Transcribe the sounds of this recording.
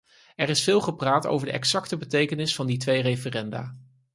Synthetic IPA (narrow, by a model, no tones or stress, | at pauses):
ɛrɪsfɪːlˠχəpraːto̰wvəɹdəʔɛ̰ksɑktəbətejkənɪsfɑnditʋejrejfərɛnda̰ː